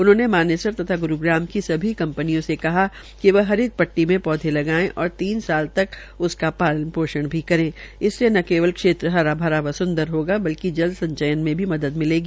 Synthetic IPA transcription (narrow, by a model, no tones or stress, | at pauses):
ʊnɦõːnemaːneːsəɾt̪ɐt̪ʰaɡʊɾuɡɾaːmkisɐbʱikɐ̃mpənijõsekɐɦa | kiʋɐɦɐɾɪt̪̚pɐʈːimẽpɔːd̪ʱelɐɡaːẽʔɔːɾt̪iːnsaːlt̪ɐk | ʊskapaːlənpoːʃəɽ̃bʱikɐɾẽːɪsːenɐkeːʋəlkʃeːt̪ɾəɦɐɾabʱaɾaʋɐsʊ̃nd̪əɾɦoːɡabɐlkid͡ʒɐld̪sɐ̃ɲt͡ʃəjənmẽbʱimɐd̪əd̪mɪleːɡiː